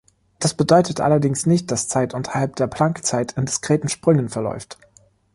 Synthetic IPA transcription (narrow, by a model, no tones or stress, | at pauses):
d̥asb̥ədɔʏtʰətʔa̰lɐdɪŋsnɪçt̚d̥ast͡saɪtʔʊntʰɐ̥halp̚d̥eːɐpl̥aŋkt͡saɪtʰɪndɪskʁ̥eːtn̩ʃpʁ̥ʏŋənfɛɐlɔ̰ʏft